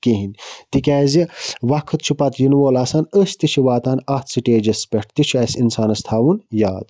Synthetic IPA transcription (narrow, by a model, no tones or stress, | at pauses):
keɦinʲt̪ikʲɛːziʋɐkʰɨt̪t͡ʃʰupɐt̪jinʋoːlaːsaːnəst̪it͡ʃʰiʋaːt̪aːnɐht̪sɨʈeːd͡ʒɐspʲeʈʰt̪it͡ʃʰuɐsinsaːnɐst̪ʰaːʋunjaːd̪